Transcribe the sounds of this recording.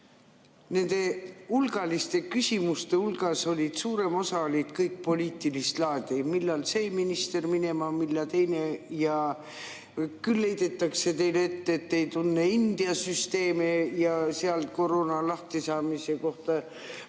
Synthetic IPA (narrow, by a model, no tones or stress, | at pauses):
ne̞nd̪̥e̞ulɡ̥ɑlist̪e̞kysʲimust̪e̞ulɡ̥ɑso̞lʲid̪̥suːɾe̞mo̞sɑolʲid̪̥kɤjk̚po̞lʲiːt̪ˑilist̪lɑːd̪̥ʲimilːɑlseːjminist̪e̞rmine̞mɑmilːɑt̪e̞jne̞jɑ | kylːe̞jd̪̥e̞t̪ːˑɑkse̞t̪e̞jlet̪ːeet̪ːe̞jt̪unːeind̪̥iɑsyst̪e̞ːmejɑseɑlt̪̚ko̞roːnɑlɑht̪isɑːmise̞ko̞ht̪ɑ